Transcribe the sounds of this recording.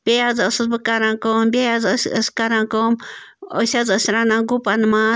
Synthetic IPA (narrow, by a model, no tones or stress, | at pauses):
bʲeazosɨzbɨkaɾaŋkombeazosskaɾaŋkom | osazosɾanaŋɡupanma